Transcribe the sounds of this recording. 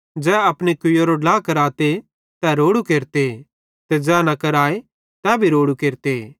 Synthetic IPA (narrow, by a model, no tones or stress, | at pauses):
d͡ʒɛːɐpnikʊjoɾoɖlaːkɐɾaːt̪e | t̪ɛːɾoːɽukeːɾt̪e | t̪ed͡ʒɛːnɐkɐɾaːe | t̪ɛːbʱiɾoːɽukeːɾt̪e